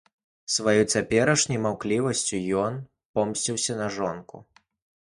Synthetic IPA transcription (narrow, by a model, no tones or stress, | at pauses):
svajut͡sʲapʲɛɾɐʂnʲɐjmawklʲivɐsʲt͡sʲujɔn | pɔmsʲt͡sʲiwsʲɐnɐʐɔnkṵ